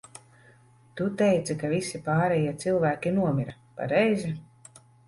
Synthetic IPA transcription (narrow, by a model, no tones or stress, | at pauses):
t̪ut̪ɛjt̪sakavisipaːɾɛjiɛt̪silˠvæːkʲinuɔmʲiɾa | pa̰ɾɛjzi